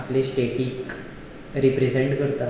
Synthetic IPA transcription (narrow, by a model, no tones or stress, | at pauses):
aplesʈeʈiːk | ɾipɾed͡ʑeɳʈkəɾt̪a